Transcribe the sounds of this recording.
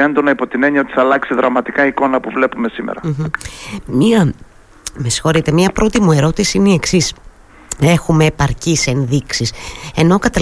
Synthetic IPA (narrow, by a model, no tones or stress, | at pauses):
end̪onɐipo̞t̪ine̞ɲiɐot̪i̥θɐlɐksiðɾɐmɐt̪ikɐiko̞nɐpuvle̞pume̞simḛɾɐm̩ | miɐ | mesi̥xo̞ɾit̪e̞mɲɐpɾo̞t̪imue̞ɾo̞t̪isiineie̞ksis | e̞xume̞ːpɐɾcise̞nðiksise̞no̞kɐt̪ɐ